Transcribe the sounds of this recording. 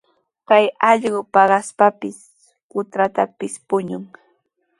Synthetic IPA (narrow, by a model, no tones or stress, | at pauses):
kajɑʎɢʊpɑɢɑspapɪs | kʊt̪ɾat̪apɪspʊɲʊŋ